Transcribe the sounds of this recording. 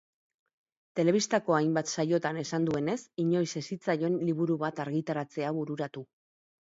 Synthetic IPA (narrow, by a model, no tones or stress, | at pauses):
t̪e̞le̞β̞ist̪ako̞ajmbat̪sajo̞t̪ane̞sand̪ue̞ne̞siɲo̞jse̞sit͡sajo̞enliβuɾuβat̪aɾɣit̪aɾat͡se̞aβuɾuɾat̪u